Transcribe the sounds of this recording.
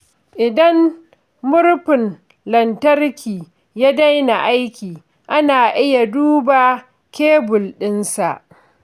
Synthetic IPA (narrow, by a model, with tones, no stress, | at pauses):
ʔɪ˨dɐ˦m | mʊ˦ɾɸɪ˨n | lɐ˨ntɐ˦rkʲiː˨ | jaː˦da˦jna˨ʔa˦jkʲiː˨ | ʔa˦naː˨ʔɪ˦ja˨duː˦baː˨ | kʲeː˦bʊ˨lɗɪ˦nsa˨ʔ